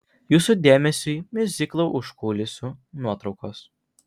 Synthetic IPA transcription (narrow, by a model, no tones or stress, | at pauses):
juːsud̪ʲeːmʲɛsʲuɪmʲɪzʲɪklˠoʊʔʊʃkuːlʲɪsʲunuɔt̪ɾɒʊkoːs